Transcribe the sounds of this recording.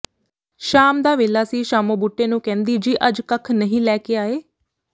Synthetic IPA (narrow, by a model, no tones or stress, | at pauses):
ʃaːmd̪aːʋeːlaːsiːʃaːmõːbuʈːeːnũːkɛ̃ːnd̪iːd͡ʒiːʔəd͡ʒkəkʰnəɦĩːlɛːkeːaːeː